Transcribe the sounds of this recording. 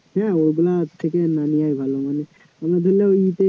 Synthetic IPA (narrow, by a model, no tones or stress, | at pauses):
ɦɛ̃oɾbelat̪ʰːekenanijajbʱalomane | amed̪ʱoleit̪e